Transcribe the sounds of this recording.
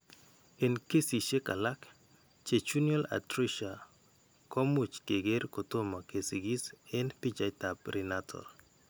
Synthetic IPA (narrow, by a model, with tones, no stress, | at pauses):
enke˦si˨ʃe˦ka̰˨la˦k | t͡ʃe˨t͡ʃu˦njo˦la̰˨tɾiʃa˨ | kɔ˦mu˨t͡ʃke˨ɡe˦ɾkoto˦ma˨ke˨siɡi˦sɛ˦npi˦t͡ʃajtapɾi˨natʰɔ̰r